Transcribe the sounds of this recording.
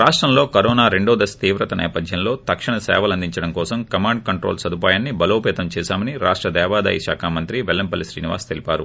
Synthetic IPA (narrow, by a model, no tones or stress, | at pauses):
ɾaːʂʈɾɐmlo̞ːkɐɾɔːnaːɾeɳɖoːd̪ɐst̪iːʋɾɐt̪ɐnɛ̰ːpɐd̪ʱjɐmlo̞ːt̪ɐkʂiɳɐsɛ̰ːʋɐlɐnd̪iɲt͡ʃɐɽɐmkɔːsɐmkɐmaːɳɖ̚kɐɳʈɾoːlsɐd̪upaːjaːnːibɐloːpɛːt̪ɐmt͡ʃɛːsaːmɐniɾaːʂʈɾɐd̪ɛːʋaːd̪ɐ̰ːjiʃa̰ːkʰaːmɐnt̪ɾiʋelːɐmpɐlisɾḭːniʋa̰ːst̪elipaːɾu